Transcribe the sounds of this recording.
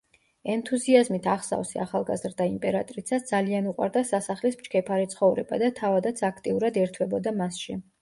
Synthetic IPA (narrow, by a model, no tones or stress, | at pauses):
ɛnt̪ʰuziazmit̪ʰaχsa̰vsiaχalˠɡa̰zɾd̪aimpʼɛɾat̪ʼɾisʰasd̪zalianuqʼwa̰ɾd̪asasaχlismt͡ʃkʰɛpʰaɾit̪sʰχɔvɾɛba̰d̪at̪ʰavad̪at̪sʰakʰt̪ʼiuɾad̪ɛɾt̪ʰwɛbɔd̪amasʃi